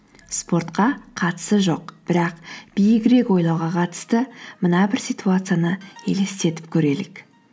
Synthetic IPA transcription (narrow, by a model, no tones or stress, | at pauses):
spo̞rt̪qɑqʰɑt̪ə̥səʒo̞qb̥ɪɾɑqb̥ijɪkʲɾe̞kwo̞jlˠɑwʁɑqʰɑt̪ə̥st̪əmənɑbɪɾsʲijt̪uat̪sɨjanəe̞̰le̞st̪e̞t̪ɪ̥p̚kʲʰɵɾe̞lɪk